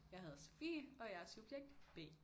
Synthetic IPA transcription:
jɑ̈ɪɦæð̞̩ˠsfḭːɒ̽jæɐsub̥jeɡ̥̚d̥b̥e̝̰ː

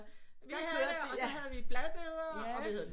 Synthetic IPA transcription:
ʋihæɦæðˠʋib̥lɛðˠb̥e̝ðˠɐɒ

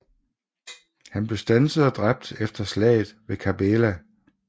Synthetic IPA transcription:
hænb̥le̝sd̥ænsəð̩ˠɒd̥ʁab̥̚d̥efd̥ɐslɛ̰ːɪð̩ˠʋe̝kʰæb̥elæ

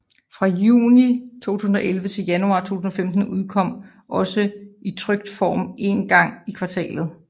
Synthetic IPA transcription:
fʁɑ̈juːnit͡sʰo̝̰ːt͡sʰuːsn̩ɒ̽ʔelʋət͡sʰe̝ljænuɑ̈ːt͡sʰo̝̰ːt͡sʰusn̩ɒfemd̥n̩uð̞ˠkʰɒ̽m̰ | ʔɒ̽səit͡sʰʁœɡ̥̚d̥fɒːmʔe̝nɡ̥ɑ̈ŋ̰ikʰʋɑ̈t͡sʰɛ̰ːlð̩ˠ

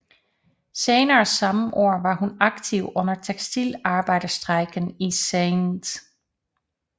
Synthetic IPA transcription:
seːnɐːsɑ̈məʔo̝ɐ̰ʋɑ̈hunɑ̈ɡ̥̚t͡sʰiʊɔ̽n̰ɐt͡sʰeɡ̥sd̥ilɑ̈ːb̥ɑ̈ɪ̰d̥ɐsd̥ʁaɪɡ̥ən̩iseɪnd̥

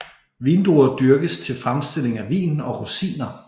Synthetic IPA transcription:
ʋiːnd̥oɐd̥yɐɡ̥əst͡sʰe̝lfʁamsd̥e̝l̰e̝ŋæʋḭːnɒ̽ʁusḭːnɐ

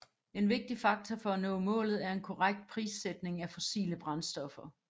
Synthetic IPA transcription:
e̝nʋe̝ɡ̥̚d̥ifɑ̈ɡ̥̚t͡sʰɒfɒ̽ænɔ̰ːmɔ̰̽ːlð̩ˠæɐe̝nkʰɒʁaɡ̥̚d̥̚pʰʁḭːsed̥ne̝ŋæfosḭːləb̥ʁɑ̈nsd̥ɒ̽fɐ

